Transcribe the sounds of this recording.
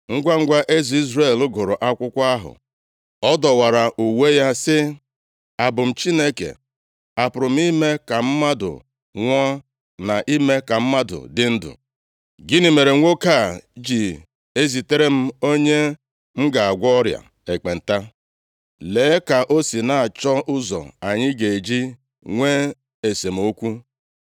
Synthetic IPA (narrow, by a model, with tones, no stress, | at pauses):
ŋ̩˦ɡʷa˦ŋ̩˦ɡʷa˦ʔe˦zi˨˦i˦zɾe˦˨lʊ˦ɡʊ˨ɾʊ˨ʔa˦kʷʊ˦kʷa˦ɦʊ̰˨ | ɔ˦dɔ˨wa˨ɾa˨ʔu˨we˦ja˦sɪ˦ | a˨bʊ˨m̩˨t͡ʃi˦ne˦kḛ˨ | a˨pʊ˨ɾʊ˨m̩˦i˦me˦ka˨m̩˦ma˦dʊ̰˨ | ŋʷɔ˦ | na˨ʔi˦me˦ka˨m̩˦ma˦dʊ̰˨dɪ˦n̩˦dʊ̰˨ | ɡɪ˦ni˨me˨ɾe˨ŋʷo˦ka˦˨d͡ʒi˨ | e˦zi˨te˦ɾe˦m̩˦o˦ɲe˦ | m̩˦ɡa˨a˨ɡʷɔ˦ɾja̰˨ | e˨k͡pe˨n̩˨ta˦ | leː˨˦ka˨ʔo˦si˨na˨a˨t͡ʃɔ˦ʔʊ˦zɔ̰˨a˨ɲɪ˦ɡe˨e˨d͡ʒi˦ | ŋʷe˦ | e˨se˨m̩˨o˦kʷu˦